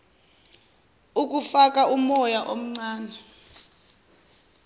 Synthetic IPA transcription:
uk̬ʼufak̬ʼaumɔjaʔom̩ŋ͡ǀaːnʱɛ

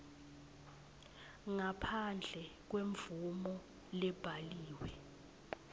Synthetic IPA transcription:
ŋapʰand͡ɮʱɛk̬weɱvumɔ | lɛb̥ʱaliːwɛ

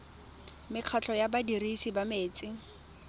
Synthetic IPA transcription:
mɪq͡χʰat͡ɬʰʼɔjabadirisibameːt͡sʼɪ

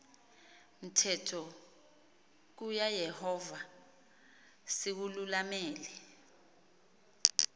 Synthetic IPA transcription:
m̩tʰɛtʰɔ | k̬ujajɛhɔva | sik̬ululamɛːlɛ

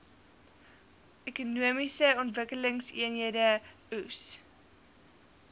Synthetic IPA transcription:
ʔɛkunuəmisəɔntvəkələŋsiənɦiədə | us

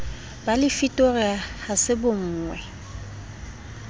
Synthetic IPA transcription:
b̥alɪfitʼoriahasɪbʊŋ̩ːŋwɛ

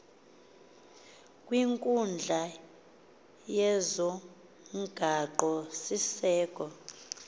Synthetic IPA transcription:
kʼwiŋkʼund͡ɮʱa | jɛzɔ | ŋɡ̥ʱaǃɔsisɛːkʼɔ

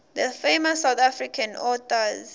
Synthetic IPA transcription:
ðəfemɔsːawt̪afɹikʰãnɔtɔz

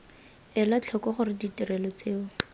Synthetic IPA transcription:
ɛlat͡ɬʰɔkɔχʊrɪditirɛlɔt͡seːʊ

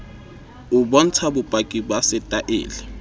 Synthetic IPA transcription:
ubɔn̩t͡sʰabʊpʼakʼibwasɪtʼaʔḛːlɛ

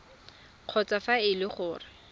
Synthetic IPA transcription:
q͡χʰɔt͡safaɪlɪχʊːrɪ

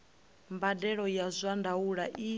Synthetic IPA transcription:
mbadɛɺɔjazʷandauɺaʔi

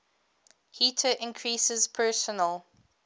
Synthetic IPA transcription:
hiˑtʰəʔɪ̃nkʰɹisɪzpʰɜːˑsənəlˠ

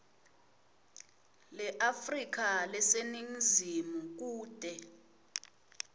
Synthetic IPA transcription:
lɛʔafrik̬alɛseniŋ̩zimuk̬uːd̥ʱɛ

